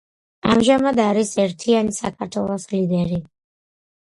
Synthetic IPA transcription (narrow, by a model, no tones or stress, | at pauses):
a̰mʒamad̪aɾisɛɾt̪ʰianisakʰaɾt̪ʰwɛlˠɔslid̪ɛɾi